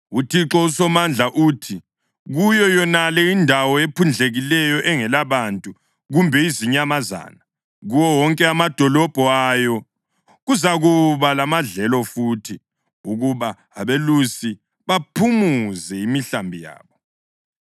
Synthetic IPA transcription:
utʰiǁɔusɔmand͡ɮʱaʔuːtʰi | ɣujɔjɔnalɛindʱawɔepʰund͡ɮʱeɣilɛjɔʔɛŋɛlaβantʼu | ɣumbʱɛiziɲɛamaza̰ːna | ɣuwɔwɔŋkʼɛamad̥ʱɔlɔb̥ʱɔajɔ | ɣuzaɣuβalamaɮɛlɔfuːtʰi | uɣuβa | aβelusi | βapʰumuzɛimiɬambʱija̰ːβɔ

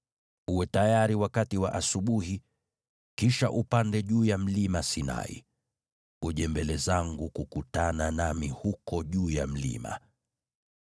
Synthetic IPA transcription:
uwɛtajaɾiwakatiwa̰ʔasuɓuhi | kiʃaʔupandɛʄuːjam̩limasina̰ḭ | uʄɛmbɛlɛzaŋɡukukutananamihukɔʄuːjam̩lḭma̰

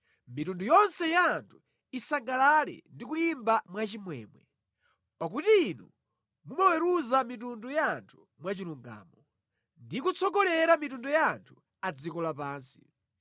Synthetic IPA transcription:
mitundujɔnsɛjantʰu̥ | isaŋɡalalɛ̰ndik̬ujimbamwat͡ʃimwɛːmwɛ̰ | pak̬utiːnṵ | mumawɛɾuzamit̬undujaːntʰu̥ | mwat͡ʃiluŋɡa̰ːmɔ | ndikut͡sʰɔɡɔlɛɾamitundujaːntʰu̥ | ad͡zikɔlapaːnsi̥

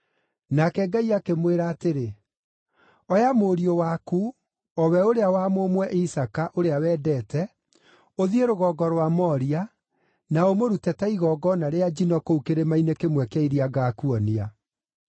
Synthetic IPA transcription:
nakɛɡaiakemweɾaːteɾe | ɔjamoɾiowaku | ɔwɛoɾeawamomwɛʔisakaʔoɾeawɛːdɛːtɛ | oðieɾoɣɔɡɔɾwamɔɾia | naomoɾutɛtaiɣɔːɡɔnaɾead͡ʒinɔkoukeɾemainekemwɛkaiɾiaɡaːkuɔnia

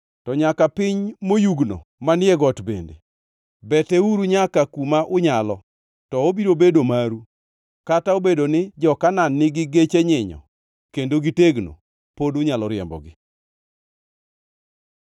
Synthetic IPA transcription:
tɔɲakapɪɲmojuɡno̰manjɛɡɔtbḛndḛ | bɛteuɾuɲakakumaʔʊɲalɔ | tɔobiɾobedomaɾu | kataobedonɪd͡ʒɔkananːɪɡɪɡet͡ʃeɲɪɲɔ̰ | kendoɡiteɡno̰ | podʊɲalɔɾɪɛ̰mbɔ̰ɡɪ

